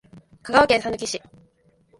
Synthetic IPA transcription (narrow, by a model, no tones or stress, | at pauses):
kaɡaβakeːsanokʲiɕi